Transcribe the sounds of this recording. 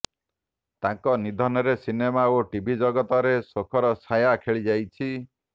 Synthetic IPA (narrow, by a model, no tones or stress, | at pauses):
t̪ãŋkɔnid̪ʱɔnɔɾesinemaoʈibʱid͡ʒɔɡɔt̪ɔɾesokʰɔɾɔsajakʰeɭid͡ʒajt͡ʃʰi